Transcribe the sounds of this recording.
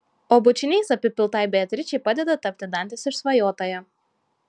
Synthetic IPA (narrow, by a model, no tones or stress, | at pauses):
oːbʊt͡ʃʲɪnʲɛɪsɐpʲɪpʲɪlˠt̪ɐɪbʲeɐt̪ʲɾʲɪt͡ʃʲɛɪpɑd̪ʲɛd̪ɐt̪ɐpʲt̪ʲɪd̪ɐˑnʲt̪ʲɪsɪʃsʋɐjoːt̪oːjɛ